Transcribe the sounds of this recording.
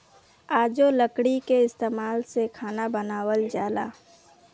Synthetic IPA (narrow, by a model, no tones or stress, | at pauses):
aːd͡ʒoləkɽikeɪst̪eːmaːlsekʰaːnabənaːwəld͡ʒaːlaː